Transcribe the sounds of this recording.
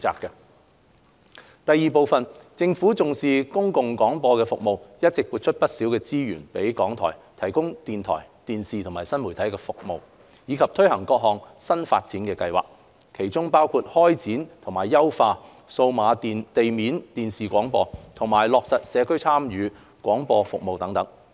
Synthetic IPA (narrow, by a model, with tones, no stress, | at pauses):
t͡sa̰ː˧kːɛ˧ | t̪ɐ˨˧jːiː˨po˨˧wfɐ˨nt͡sɪ˧ŋfuː˨˥t͡sʊ˨ŋsiː˨kʊ˥ŋkʊ˨ŋkɔː˨˥ŋpɔː˧kɛː˧fʊ˨k̚mo˨wjɐ˥t̚t͡sɪ˨k̚puː˧t̚t͡ʃʰɵ˥t̚pɐ˥t̚siː˨˥wkɛː˧t͡siː˥ɥyː˨˩npe˨˥jkɔː˨˥ŋt̪ʰɔ̰ː˨˩jt̪ʰɐ˨˩jkʊ˥ŋt̪iː˨nt̪ʰɔ̰ː˨˩jt̪iː˨nsiː˨t̪ʰʊ˨˩ŋmaː˨˩jsɐ˥nmu˨˩t̪ʰɐ˨˥jkɛː˧fʊ˨k̚mo˨w | jiː˨˧kʰɐ˨p̚t̪ʰɵ˥ɥhɐ˨˩ŋkɔː˧k̚ɦɔː˨ŋsɐ˥nfa̰ː˧t̚t͡siː˨˥nkɛː˧kɐ˧jwa̰ː˨˩k̚ | kʰe˨˩jt͡sʊ˥ŋpaː˥wkʰuː˧t̚hɔː˥jt͡siː˨˥nt̪ʰʊ˨˩ŋmaː˨˩jːɐ˥wfaː˧ | so˧wmaː˨˧t̪e˨jmiː˨˥nt̪iː˨nsiː˨kʷɔː˨˥ŋpɔː˧t̪ʰʊ˨˩ŋmaː˨˩jlɔː˨k̚sɐ˨t̚sɛː˨˧kʰɵ˥ɥt͡sʰaː˥mjyː˨˧ | kʷɔː˨˥ŋpɔː˧fʊ˨k̚mo˨wt̪ɐ˨˥ŋt̪ɐ˨˥ŋ